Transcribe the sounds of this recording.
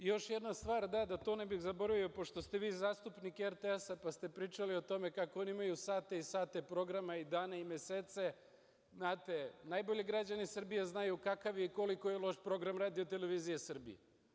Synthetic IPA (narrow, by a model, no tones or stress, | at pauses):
jo̞ʃjed̪nast̪ʋaːɾd̪ad̪at̪oːnebixzabo̞ɾaʋio̞po̞ʃt̪o̞st̪e̞ʋiːzaːst̪upnikeeɾt̪eesapast̪e̞pɾiːt͡ʃalio̞t̪o̞me̞kakooniimajusaːt̪eisaːt̪e̞pɾo̞ɡɾamaid̪aːnaimjeseːt̪se̞ | znaːt̪e̞najbo̞ʎeɡɾad͡ʑanisr̩bijeznajukakaʋjeiko̞liko̞jelˠo̞ʃpɾo̞ɡɾamɾaːd̪iot̪e̞le̞ʋiːzijesr̩bḭjḛ